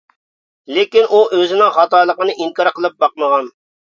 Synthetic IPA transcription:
lɪkʲinuʔøzɪnɪŋχɑt̪ɑːlˠəqənɨʔiŋkɑɾqʰəlˠɨp̚bɑq̚məʁɑn

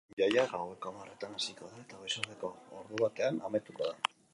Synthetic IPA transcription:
jajaɣawe̞komaret̪anasiko̞ðaet̪aɣesoɾðeko̞oɾðuβat̪e̞anamet̪ukoða

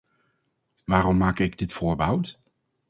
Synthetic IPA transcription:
ʋaːrɔmːaːkɪɡdɪtfʊːɹbəɦʌwt

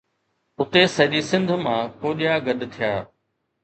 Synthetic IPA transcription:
ʊt̪esɐʄisɪ̃nd̪ʱʊ̆mãːkoːɗijaːɡɐɗ̪t̪ʰijaː

